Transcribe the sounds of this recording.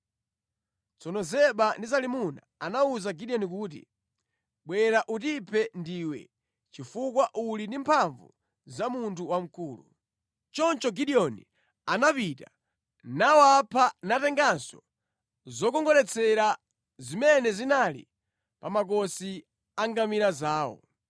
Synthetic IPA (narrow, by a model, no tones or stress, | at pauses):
t͡sɔnɔzɛɓandizalimuna̰anauzaɡiɗiɔnikuːt̬ḭ | ɓwɛɾaʔutipʰɛndiwɛ̰ | t͡ʃifukwaʔulindimpʰaɱvṵ | zamuntʰuwam̩kuːlṵ | t͡ʃɔnt͡ʃɔɡiɗiɔni | anapita | nawapʰanatɛŋɡansɔ | zɔkɔŋɡɔɾɛt͡sʰɛɾa | zimɛnɛzinalḭ | pamak̬ɔsi | aŋɡamiɾazaːwɔ̰